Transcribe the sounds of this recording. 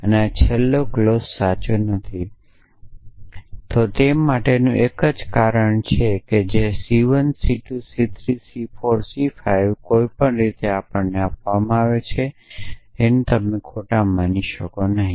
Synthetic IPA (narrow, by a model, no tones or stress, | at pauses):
əneat͡ʃʰɛlːoklosːat͡ʃunət̪ʰi | t̪ot̪emaʈenũʔekəd͡ʒkaɾəɳt͡ʃʰeked͡ʒesiʋənsiʈusit̪ʰɾisifoɾsifajʋkoipəɳɾit̪eapəɳneapʋamãaʋet͡ʃʰe | enut̪əmekʰoʈamaniʃəkonəɦĩ